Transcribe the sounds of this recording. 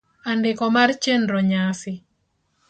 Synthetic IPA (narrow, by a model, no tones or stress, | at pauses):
andɪkɔmart͡ʃenɾɔɲasɪ